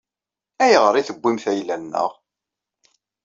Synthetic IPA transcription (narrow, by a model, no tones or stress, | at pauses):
æjəʁəɾˤiθəbːimθæjlːænːə̰ʁ